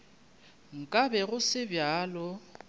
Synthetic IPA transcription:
ŋ̩kʼabɛɣʊsɪbjaːlɔ

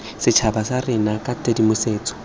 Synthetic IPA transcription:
sɪt͡ʃʰabasarɪnakʼatʼedimʊseːt͡sɔ̥

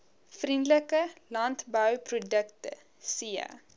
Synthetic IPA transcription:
frindləkəlɐntbœwprudəktə̰ | siə̰

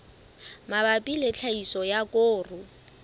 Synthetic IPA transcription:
mabapʼilet͡ɬʰaisɔjakʼoːrʊ

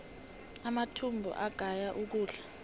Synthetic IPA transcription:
amatʰumbʱɔ̰ʔaɡ̥ʱajaʔuk̬uːɮa

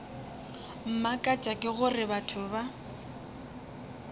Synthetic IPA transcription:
m̩makʼat͡ʃʼakʼɪɣʊrɪbatʰʊba

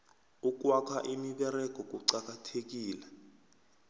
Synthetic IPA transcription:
uk̬ʼwakʰaʔimiɓɛɾɛk̬ɔk̬ʼuǀak̬ʼatʰek̬iːlɛ

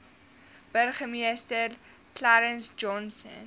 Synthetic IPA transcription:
b̥ərχəmiəstər | klaɾənsd͡ʒɔnsə̰n

